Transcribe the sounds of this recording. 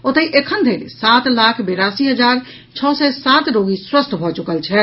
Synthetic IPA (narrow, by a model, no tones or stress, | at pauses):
ot̪əiʔekʰənd̪ʱeɾsat̪lakʰbeɾasiɦəd͡ʒaɾ | t͡ʃʰɔsɛsat̪ɾoɡiswəst̪ʰbʱɔt͡ʃukəlt͡ʃʰɛ